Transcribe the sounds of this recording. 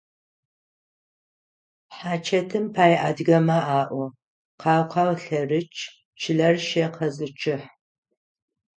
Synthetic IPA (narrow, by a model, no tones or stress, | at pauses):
ħaːt͡ʃʰɐtʰɨmpʰaːjʔaːdɡɐmɐʔaːʔʷɔ | qʰɑːwqʰɑwɬɐrɨt͡ʃʰʼ | t͡ʃʰɪɮɐrʃeqʰɐzɨt͡ʃʰɪħ